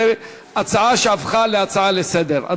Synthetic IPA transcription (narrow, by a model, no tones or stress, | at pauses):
e | at͡saaʃeafχaleat͡saʕalesed̪eʁa̰